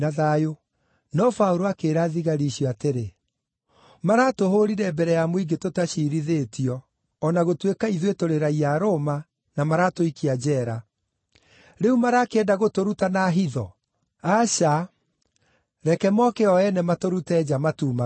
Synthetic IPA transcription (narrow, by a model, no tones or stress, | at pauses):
aðajo | nɔfauɾoakeːɾaːðiɣaɾiɕjɔateɾe | maɾatoɦoɾiɾɛbɛɾɛjamoiɡetotaɕiɾiðetiɔː | naɣotwekaiðwetoɾeɾaiaɾoma | namaɾatoikiad͡ʑɛːɾa | ɾeumaɾakeɛdaɣotoɾutanaɦiðɔ | aɕa | ɾɛkɛmɔkɛɔɛnɛmatoɾutɛd͡ʑamatuːma